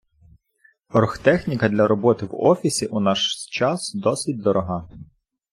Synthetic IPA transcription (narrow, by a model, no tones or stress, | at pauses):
ɔrxt̪ɛxnʲikɐd̪lʲɐɾɔbɔt̪ɪwɔ̰fʲisʲiʔunɑʃt͡ʃɑsd̪ɔsɪt̚ʲd̪ɔɾɔɦɑ